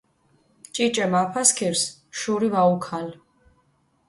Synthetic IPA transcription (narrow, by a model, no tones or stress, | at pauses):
t͡ʃʼit͡ʃʼɛmapʰaskʰiɾsʃuɾivaukʰal